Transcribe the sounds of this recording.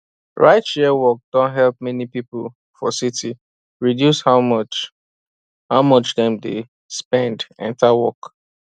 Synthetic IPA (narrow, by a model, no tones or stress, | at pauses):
ɹa̰ɪtʃɛwɔk̚d̥ɔ̃ntɦɛlp̚mɛnipipəl̩ | fɔ̰sitʰi | ɹidjushaʊt͡ʃ | haʊmʌt͡ʃðɛ̃mde | spɛ̃ndɛ̰̃ntawɔk